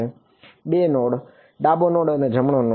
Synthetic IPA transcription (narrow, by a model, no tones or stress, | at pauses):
e | ɓenoːɽ | ɖabonoɽəned͡ʒʱəmɳono